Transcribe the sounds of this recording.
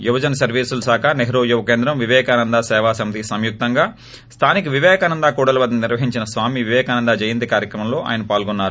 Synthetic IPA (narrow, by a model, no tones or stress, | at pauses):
juʋɐd͡ʒɐnɐsɐɾʋiːsulusaːkʰaneɦɾoːd͡ʒuʋɐkeːnd̪ɾɐmʋiʋɛːkaːnɐnd̪aːsɛːʋaːsɐmit̪isɐmjuk̚t̪ɐŋɡaː | st̪ʰaːnikuʋiʋɛːkaːnɐnd̪aːkuːɽɐlɐʋɐd̪niniɾʋɐɦiɲt͡ʃinɐsʋaːmiʋiʋɛːkaːnɐnd̪aːd͡ʒɐjind̪ikaːɾjɐkɾɐmɐmlo̞ːʔa̰ːjɐnɐpaːlɡɔnːaːɾu